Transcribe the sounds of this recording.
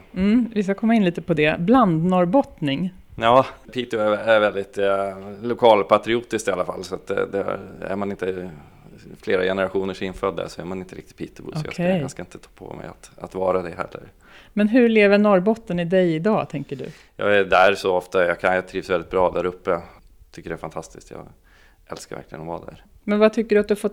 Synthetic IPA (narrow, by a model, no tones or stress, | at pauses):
m̩vɪs̬kakʰɔmːaɪnliːt̪əpɔd̪ɛbland̪nɔɾbɔt̪nɪŋ | jɑːpʰiːt̪ʊɛæɾvɛld̪ɪt̪lʊkʰɑːlpʰat̪ɾɪuːt̪ɪskt̪alːafa̰lːsɔat̪̚d̪ɛ̰d̪ɛ̰æ̰ɾmanɪnt̪ə | fleːɾajɛnəɾaɧuːnəʂɪnfœd̪ːa̰ʂɔæɾmanɪnt̪əɾɪk̚t̪ɪt̪̚pʰiːt̪ɪbʊ̰sɔjɑ̰kʰɛj̰skaɪnt̪ə̥t̪ʰɑ̥ːpʰɔ̰mɛ̰ja̰t̪at̪vɑːɾad̪ɛɦɛ̰lːə̰ɾ | mɛnɦɵɭeːvənɔɾbɔt̪ːənɪd̪ɛjɪd̪ɑːt̪ʰɛŋkəɖɵ̰ | jɑ̰ːɡæɖ̪æːɾsɔɔft̪ajɑkʰanjɑt̪ʰɾiːvsvɛld̪ɪt̪̚bɾɑːd̪æɾɵpːə | t̪ʰʏkːəɖɛæfant̪ʰast̪ɪst̪jɑ̰ː | ɛ̰lskaɾvæ̰ɾklɪɡənɔvad̪æ̰ɾmɛnvat̪ʰʏkːəɖʉat̪̚d̪ɵhafɔt̪ː